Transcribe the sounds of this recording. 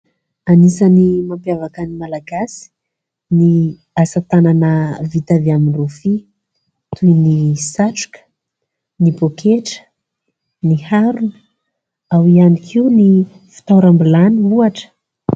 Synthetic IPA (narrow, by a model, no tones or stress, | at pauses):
anisənimampjavakənimalaɡasi̥ | ni | asat̪ananəvit̪aviaminrufi | t̪ujnisaʈ͡ʂu̥kə̥ | nibokʰeʈ͡ʂə̥ | nihaɾunə̥ | awianikʰiuni | fi̥t̪awɾambilaniuaʈ͡ʂə̥